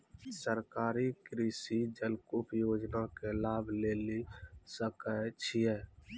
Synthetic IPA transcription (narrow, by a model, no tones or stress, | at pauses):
səɾkaːɾikɾiːsid͡ʒəlkʊpjoːd͡ʒnakelaːbʱleːlisəkət͡ʃʰiɛː